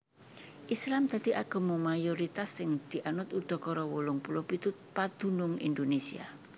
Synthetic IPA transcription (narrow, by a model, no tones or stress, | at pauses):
ʔislamd̪̥a̤d̪̥i̤ʔaɡ̥ɔ̤momajoɾit̪asːɪŋd̪̥i̤ʔanʊt̪ud̪̥ɔ̤kɔɾɔwolʊŋpulɔpit̪ʊt̪̚pad̪̥ṳnʊŋḭnd̪onesia̰